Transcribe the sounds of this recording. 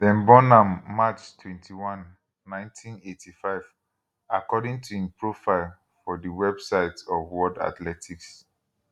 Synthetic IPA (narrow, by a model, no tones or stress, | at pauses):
dɛ̃nbɔnãmːat͡ʃtʰwɛ̃ntʰiwãnː | ãɪ̃ntʰĩnetʰifaɪv | akɔdĩŋtʰuĩnpʰɹofaɪl | fɔdəwɛbsaɪtɔvwɔda̰tlɛtʰiks